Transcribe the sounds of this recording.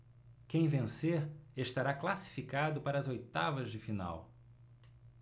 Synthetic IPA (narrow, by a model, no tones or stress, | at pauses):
kẽj̃vẽseɾeʃt̪aɾaklasi̥fikad̪ʊpaɾɐːzojt̪avɐzd͡ʒɪfina̰w